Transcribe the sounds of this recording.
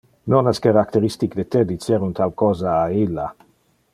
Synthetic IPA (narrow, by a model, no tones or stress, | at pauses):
nonaskaɾakt̪eɾist̪ikd̪et̪ed̪it͡sjeɾunt̪alkɔːzaːilːa